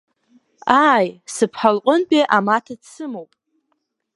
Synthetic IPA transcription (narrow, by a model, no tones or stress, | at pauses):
ajsɨpʰħalqʼʊnpʼeʔamatʰat͡sʰɨmowpʼ